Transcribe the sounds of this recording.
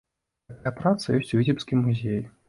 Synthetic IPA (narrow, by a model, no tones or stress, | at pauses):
ɐkajɐpɾat̪sɐjɔsʲt͡sʲuvʲitʲipskʲimːuzʲej